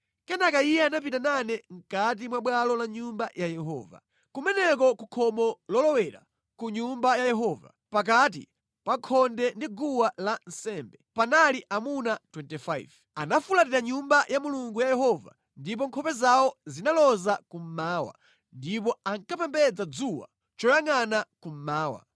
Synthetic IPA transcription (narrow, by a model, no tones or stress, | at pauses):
kɛnakaijɛanapitananɛŋ̩kat̬imwaɓwalɔlaɲumbajajɛɦɔ̰ːva̰ | kumɛnɛk̬ɔkukʰɔmɔlɔlɔwɛɾa̰ | kuɲumbajajɛɦɔːva̰ | pak̬at̬ḭ | paŋkʰɔndɛndiɡuwalan̩sɛmbɛpanaliʔamunatwɛntifajv | anafulatiɾaɲumbajamuluŋɡujajɛɦɔva̰ | ndip̬ɔŋkʰɔpɛzawɔzinalɔzakum̩maːwa̰ | ndip̬ɔaŋkapɛmbɛd͡zad͡zuwa̰ | t͡ʃɔjaŋanakum̩maːwa̰